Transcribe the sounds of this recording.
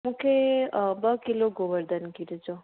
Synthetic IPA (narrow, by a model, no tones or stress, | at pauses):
mũkʰebəkiloɡoʋəɾd̪ənkiɾed͡ʒo